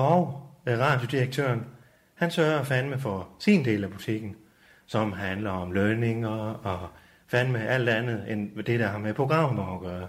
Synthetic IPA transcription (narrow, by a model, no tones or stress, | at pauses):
ɒʊʁɑ̰̈ːd̥jod̥iɐɡ̥̚t͡sʰø̰ɐn | hænsɶɐɐɒfænəmefɒsind̥e̝̰ːlæb̥ut͡sʰe̝ɡ̥n̩ | sɒ̽mɦænlɐɒ̽mløne̝ŋɐɒ | fænmeʔæl̰d̥ænð̞̩ˠend̥e̝ɾ̥æhɑ̈mepʰʁo̝ɡ̥ʁɑ̈m̰b̥ɑɡ̥ɶːɐ